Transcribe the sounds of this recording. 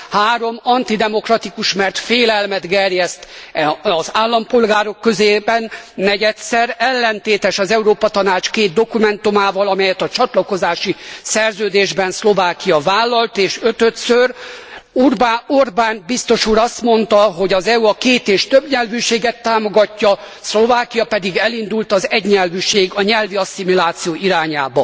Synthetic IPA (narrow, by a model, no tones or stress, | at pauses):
haːɾo̞mɒnt̪id̪ɛmo̞krɒt̪ikuʃmɛrt̪feːlɛlmɛd̪ɡɛrjɛst̪ɒzaːlːɒmpo̞lɡaːɾo̞kːøzeːbɛnːɛɟɛt̪sɛɾɛlːɛnt̪eːt̪ɛʃɒzɛuɾoːpɒt̪ɒnaːt͡ʃkeːt̪̚d̪o̞kumɛnt̪umaːvɒlɒmɛjɛt̪ɒt͡ʃɒt̪lɒko̞zaːʃisɛrzøːd̪eːʒbɛnslo̞vaːkijɒvaːlːɒlt̪eːʃøt̪øt̪sør | urbaorbaːnbist̪o̞ʃuːɾɒst̪mo̞nt̪ɒɦo̞ɟɒzɛuɒkeːt̪eːʃt̪øbɲɛlvyːʃeːɡɛt̪ːaːmo̞ɡɒcːɒ | slo̞vaːkijɒpɛd̪iɡɛlind̪ult̪ɒzɛɟɲɛlvyːʃeːɡɒɲɛlviɒsimilaːt̪sijoːʔiɾaːɲaːbɒ